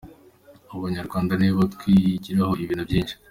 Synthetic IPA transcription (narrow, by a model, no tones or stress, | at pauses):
uβaɲaɾɡwaːndaniːβotkwiːɟiɾaho̞iβiːn̥ubjiːnʃi̥